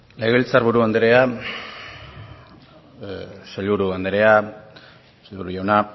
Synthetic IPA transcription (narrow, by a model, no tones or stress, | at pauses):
leɣelt͡saɾβuɾuand̪eɾe̞a | saʎβuɾuand̪eɾe̞a | seʎβuɾuʝawna